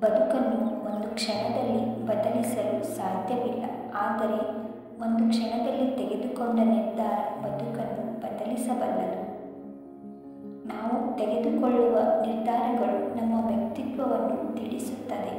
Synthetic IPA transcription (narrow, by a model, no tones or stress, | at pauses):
bɐd̪ukɐnːuond̪ukʂɐɳɐd̪ɐlːibɐd̪ɐlisɐlusaːd̪ʱjɐʋilːɐ̰ | aːd̪ɐɾe̞ | o̞nd̪ukʂɐɳɐd̪ɐlːit̪ɛɡe̞d̪ukoɳɖɐniɾd̪ʱaːɾɐbɐd̪ukɐnːubɐd̪ɐlisɐbɐlːɐd̪u | naːʋut̪eɡe̞d̪ukoɭːuʋɐniɾd̪ʱaːɾɐɡɐɭunɐmːɐʋjɐk̚t̪it̪ʋɐʋɐnːut̪iɽisut̪ːɐd̪e̞